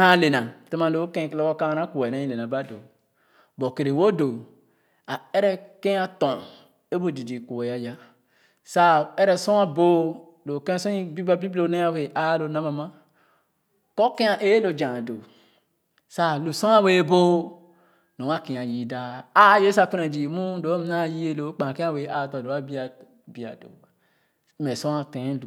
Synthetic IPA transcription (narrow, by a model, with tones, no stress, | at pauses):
hã˦˨le˨na˨te˦mã˨lo˨˦kẽ˦˨lɔ˦ko˦ka˦ɾa˦ku˨e˨na˦ĩ˦˨le˨na˨ba˦do̰˨ | bo˨ke˨ɾe˨wo˦do˨ | a˨ɛ˦ɾɛ˦kẽ˦a˦tɔ̃˨ | e˦bo˦di˨di˨ku˨e˨ja˦ja˦ | sa˦ɛ˦ɾɛ˨sɔ̃˦a˦bo˦ | lo˨kẽ˦sɔ̃˦i˦bi˦ba˦bi˦blo˦ne˦a˦we˨a˦lo˨na˦ma˨ma˦ | ko˦ke˦a˨ʔe˦lo˨d͡ʒã˨do˨ | sa˦lu˨so˦a˦we˦bo˦ | no˨˦a˦ke˨ã˨ji˨da˨˦a˦je˦sa˦fi˦ɾe˨d͡ʒi˨mu˦do˨˦m˦na˦˨ji˦e˦lo˨˦k͡pã˨ke˦a˦˨we˨˦ʔa˨tɔ˨do˨˦a˦bi˦a˨ | bi˨a̰˨do̰˨˦ | me˨sõ˦a˨tẽ˨˦lu˨